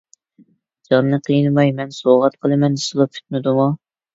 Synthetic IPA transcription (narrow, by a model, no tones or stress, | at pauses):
d͡ʒɑnnɨqʰijɨnmɑjmɛnsoʁɑt̪qʰəlˠɨmɛnsɨlˠɑpʰy̥t̪̚nɨd̪umu